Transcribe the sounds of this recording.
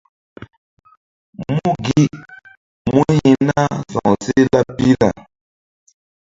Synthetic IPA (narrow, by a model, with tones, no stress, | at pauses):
mu˦ɡi˦ | mu˦ɲi˨na˦sɔ̰˨ŋsi˦la˦pi˦la˨